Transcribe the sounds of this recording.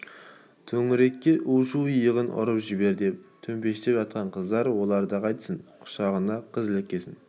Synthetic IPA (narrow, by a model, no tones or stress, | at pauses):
t̪ʰɵŋɪɾe̞kʲːe̞ʔuʃuijəʁənʔʊ̰ɾəpʒɪbe̞ɾd̪ep̚t̪ʰɵmpe̞ʃɪt̪e̞pʒɑt̪̚qɑɴqʰəzd̪ɑɾwo̞lˠɑɾd̪əqʰɑjt̪ə̥sənqʰʊ̥ʃɑʁənɑqʰəzɪlˠɪkʲːesɪn